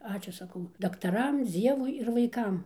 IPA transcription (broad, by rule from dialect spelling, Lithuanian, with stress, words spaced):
ˈɑːt͡ʃʲuː sɐˈkɐʊ dɐktɐˈrɐm ˈd͡zʲiɛʋʊɪ ɪr ʋɐɪˈkɐm